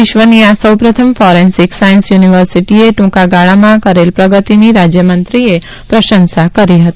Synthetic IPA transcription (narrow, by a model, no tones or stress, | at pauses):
ɪʃʋəniasəwpɾət̪ʰəmfɔɾensiksajənsjuniʋəɾsiʈieʈũkaɡaɭamãkəɾelpɾəɡət̪iniɾad͡ʒjəmənt̪ɾie | pɾəʃənsakəɾiɦət̪i